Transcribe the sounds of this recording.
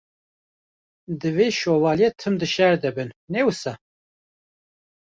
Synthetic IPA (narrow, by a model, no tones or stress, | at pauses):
d̪ɨveːʃoːvɑːljɛt̪ʰɨmd̪ɨʃɛɾd̪ɛbɨnnɛwɨsɑ